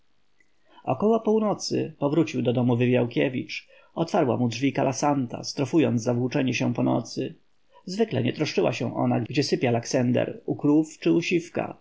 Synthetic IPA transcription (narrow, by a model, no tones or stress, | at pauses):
ɔkɔwɔpuwnɔt̪sɘ̰pɔvɾut͡ɕiwd̪ɔd̪ɔmuvɘvjawkʲɛvʲḭt͡ʂ | ɔt̪faɾwa̰mudʐvʲikalasant̪a̰st̪ɾɔfujɔnt̪zzavwut͡ʂɛɲɛɕɛ̃pɔnɔ̰t̪sɘ | zvɘklɛ̰ɲɛt̪ɾɔʂt͡ʂɘwa̰ɕɛ̰̃w̃ʔɔ̰naɡɡd͡ʑɛsɘpʲjalaksɛnd̪ɛ̰ɾukɾuft͡ʂɘuɕifka̰